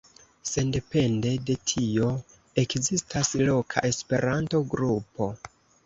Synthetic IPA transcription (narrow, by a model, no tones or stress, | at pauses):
se̞nde̞pe̞nde̞de̞tʰio̞ | e̞kzistaslo̞kʰa̰ʔe̞spe̞ɾanto̞ɡɾupo̞